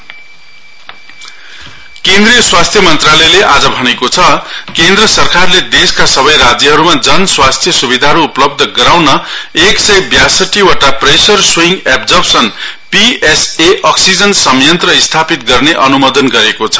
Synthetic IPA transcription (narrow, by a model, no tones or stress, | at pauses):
kẽnd̪ɾijʌswast̪ʰjʌmʌnt̪ralʌjleʔad͡zʌbʱʌnekot͡sʰʌkend̪rʌsʌrkarled̪eskasʌbʌjrad͡zjʌɦʌɾumad͡zʌnswast̪ʰjʌsubid̪ʱaɦʌɾuːplʌb̚d̪ʱʌɡʌɾawnʌeksʌjbjasʌʈːiwaʈapresʌrswiŋɡepd͡zʌrpsʌnpieseʔʌksid͡zʌnsʌmjʌnt̪rʌist̪ʰapit̪̚ɡʌrneʔʌnumʌd̪ʌnɡʌɾekot͡sʰʌ̥